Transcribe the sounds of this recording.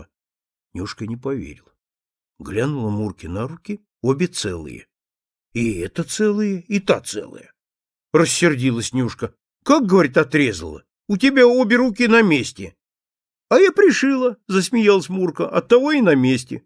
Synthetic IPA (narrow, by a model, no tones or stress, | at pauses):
nʲuʂkənʲɪpɐvʲḛɾʲɪlˠə | ɡlʲanʊlˠəmurkʲɪnɐɾukʲɪ | obʲɪt̪sɛ̰lˠɨ̰jə̰ | iɛt̪ət̪sɛlˠɨjəɪt̪at̪sɛ̰lˠə̰jə | rəsʲːɪrdʲilˠəsʲnʲuʂkə | kak̚ɡəvɐɾʲit̪ɐt̪ɾʲe̞zə̰lˠə̰ | ʊtʲɪbʲaobʲɪɾukʲɪnɐmʲesʲtʲɪ | ɐjapɾʲɪʂɨlˠəzəsʲmʲɪjalˠəsʲmurkəʔɐt̪ːɐvo̞ɪnɐmʲesʲtʲɪ̰